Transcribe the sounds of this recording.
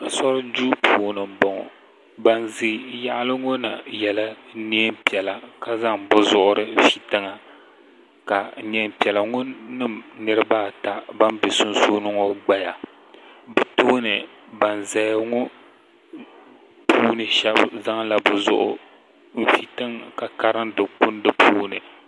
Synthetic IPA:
a˨sɔ˦ɾɨ˦d͡ʒuː˦pʰuː˨nɨ˨m̩˨bɔ˨ŋɔ̰˨ | ba˨nzɨ˦˨ja˦ʔa˦lɨ˦ŋo˦na˨jɛ˨la˦ni˦ɛ˦m˦pi˨ɛ˨la˨ka˨za˦ŋbʊ˦zʊ˦˨ʔʊ˦ɾɨ˦˨fi˨tɨ˦ŋa˨ | ka˨ni˨˦ɛ˦mpi˨ɛ˨la˨ŋo˦nɨ˦˨mnɨ˦ɾɨ˦baː˦ta˨ba˦nbe˨sʊ˦nsoː˦nɨ˦ŋɔ˦ɡ͡ba˦ja˨ | bɨ˦to˦nɨ˨ | ba˨nza˨jŋɔ˦ | pʰuː˦nɨ˨ʃɛ˦bza˦ŋla˨bʊ˨zʊ̰˦ʔʊ̰˦˨ | fi˨tɨ˦ŋka˨ka˦ɾɨ˦ndɨ˨kʊ˦n˦dɨ˦pʰuː˦nɨ˨

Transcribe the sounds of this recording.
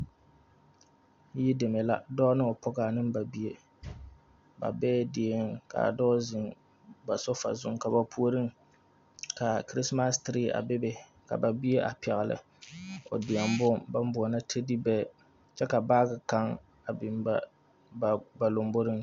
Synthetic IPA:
ji˦dɪ˨me˨la˦dɔ˦nɨ˦o˨pɔ˦ɡa˨nɨ˦mba˨bi˦e˦ | ba̰˨bɛː˦di˨e˦ŋka̰˨dɔː˦zɪ˨ŋ | ba˨sɔ˦fa̰˨zʊ̰˦ŋka˨ba˨pʰu˦o˦ɾɨ˦ŋ | ka˨kɾi˦sma˦stɾi˦a̰˨bɪ˦be˨ | ka̰˨ba˨bi˦e˦ʔa̰˨pɛ˨ɣɪ˨lɨ̰˨ | o̰˨dɪ˨a˨mbʊ˦ŋba˦m˦bʊ˨ɔ˨na˦tʰe˦di˦bɛː˦˨ | t͡ʃɛ˦ka˨baː˦ɡɨ˨ka˦ŋ | a˨bɪ˨mba˦˨ | ba˨lo˨mbo˦ɾɨ˦ŋ

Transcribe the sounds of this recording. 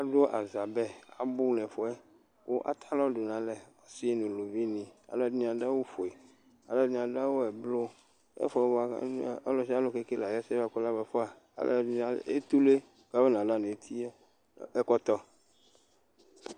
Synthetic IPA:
a˦ɖo˦ʔa˨za˨bɛ˦a̰˨bu˦nɛ̃˨fɔ˨ɛ˦ | wo̰˦ʔa̰˦t̪ʰa˦lɔ̃˦ɖo˨nã˨lɛ˨ɔ˨si˦e˦nũ˨lo˨vi˦nĩ˨a̰˨lɔ˨˦nĩ˨a˨ɖa˦wo˦fo˨e˨ | a̰˨lɔ˦dnĩ˨ã˨ɖa˦wo˦ɛ˨blo˦ | ɛ̰˦fɔ˨˦ɛ˦wɔ˦˨˦lɔ˨ʃi˦a˦lo˨ke˦ke˦la˨ja˦sɛ˦va˦kɔ˦la˦bɛ˨fɔ˦a̰˨˦ | l̰a˨ḛ˦t̪u˦le˦ | ɡa˦be˦nã˨la˦nẽ˨t̪ʰi˦ | ɛ˦kɔ˦t̪ɔ˦

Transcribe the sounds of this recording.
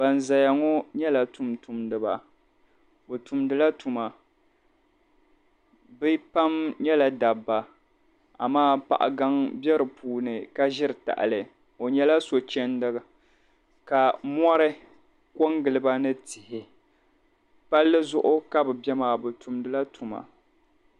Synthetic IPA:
ba˨nza˨ja˨ŋɔ˦ɲɛ˦la˨tu˨mtu˨mdɨ˨ba˨ | bɨ˨tu˨mdɨ˦la˦tu˨ma˨ | bɨ˦pa˦mɲɛ˦la˨da˨bːa˨ | a̰˨maː˦pa̰˨ʔa̰˨ɡa˦ŋbjɛ˦ɾɨ˨pʰuː˦nɨ˨ka˦ʒɪ˦ɾɨ˨ta̰˨ʔa̰˨lɨ˨ | o˨ɲɛ˦la˦so˨t͡ʃɛ˦ndɨ˦ɣɨ˨ | ka˨mɔ˦ɾɨ˦ | ko˦ŋɡɨ˨lɨ˨ba˦nɨ˦tɪ˨hɪ˨ | pa˦lːɨ˦zʊ˦ʔʊ˦ka˦bɨ˨bɛ˦maː˨bɨ˨tu˨mdɨ˦la˦tʰu˨ma̰˨

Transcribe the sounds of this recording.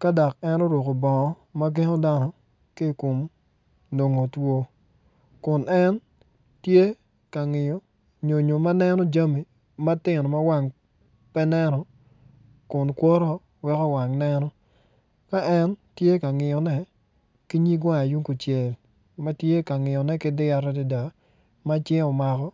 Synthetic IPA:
ka˦da˨kɛ˦nɔ˦ɾwo˨ko˨bɔ˨˦ma˦ɡe˦ŋo˦da˦nɔ˨ | kɪ˦˨ko˨m | no˨ŋo˨two˦ | kʊ˨nɛ˦n | tje˦ | ka˨ŋɪ˨jo˨ | ɲo˨ɲo˨ma˦nɛ˦nɔ˦d͡ʒa˦mi˨ | ma˦tɪ˦˨nɔ˨ma˦wa˦ŋ | pɛ˦nɛ˦nɔ˨ | kʊ˨nkwɔ˦ɾɔ˦ | wɛ˦kɔ˦wa˨ŋnɛ˦nɔ˦ | ka˦ʔɛ˦ntje˦ka˨ŋɪ˨jɔ˨nɛ˦ | ki˦ɲi˦ɡa˦a˨ju˦ŋku˨t͡ʃje˨l | ma˦tje˦ka˨ŋɪ˨jɔ˨nɛ˦kɪ˦dɪ˦a˨ɾa˦di˦da˨ | ma˦t͡ʃjɪ˦ɔ˨ma˨kɔ˦

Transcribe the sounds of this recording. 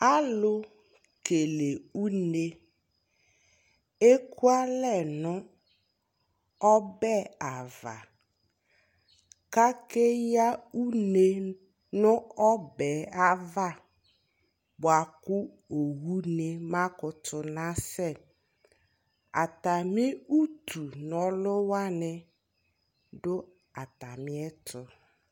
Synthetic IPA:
a˦lʊ˦ | ke˨le˨u˦ne˦ | e˦ku˦a˦lɛ˦˨nʊ˦ | ɔ˦bɛ˦˨a˨va̰˨ | ka˦ke˦ja˦u˦ne˦ | nʊ̃˦ɔ˦bɛ˨a˦va˦ | bʊ˨a˨kʊ˦ | o˨wu˦ne˨ma˦kʊ˨tʰʊ˨na˦sɛ˦˨ | a˨ta˨mɪ˦u˦tʰu˨nɔ˨lʊ˦wa˦nɪ˨ | dʊ˦ | a˨ta˨mɪ˦ɛ˦tʰʊ˨

